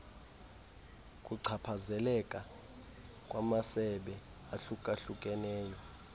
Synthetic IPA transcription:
kʼuǀʰapʰazɛlɛkʼa | kʼwamasɛɓɛ | aɬukʼaɬukʼɛnɛːjɔ

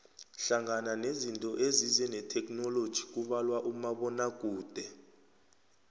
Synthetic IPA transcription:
ɬaŋananezintʼɔʔezizɛnɛtʰɛk̬ʼnɔlod̥ʒ̥ʱik̬ʼuɓalwaʔumaɓɔnak̬ʼuːd̥ʱɛ

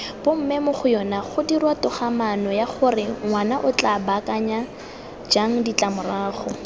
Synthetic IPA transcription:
b̥ʊm̩mɪmʊχʊjɔnaχʊdirwatʊχamanɔjaχʊrɪŋwanaʔʊt͡ɬabakʼaɲa | d͡ʒaŋ̩dit͡ɬʼamʊraːχɔ

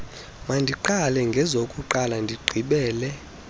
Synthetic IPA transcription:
mandʱiǃalɛŋɡʱɛzokʼuǃalandʱiɡ͡ǀʱiɓɛːlɛ

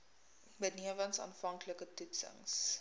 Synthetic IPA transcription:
bətniəvənsɑ̰ːnfɐŋkləkətutsə̰ŋs

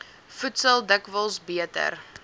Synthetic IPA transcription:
futsəlˠdəkvəlˠsbiətə̰r

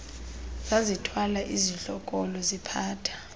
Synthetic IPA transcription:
zazitʰwalaʔiziɬɔkʼɔlɔzipʰaːtʰḁ

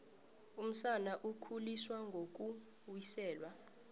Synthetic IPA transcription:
um̩sanaʔukʰuliswaŋɡʱok̬ʼu | wisɛːlwa

